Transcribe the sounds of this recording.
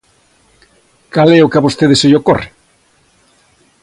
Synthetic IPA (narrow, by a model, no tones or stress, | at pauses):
kalɛokaβost̪eðeseʎoko̰re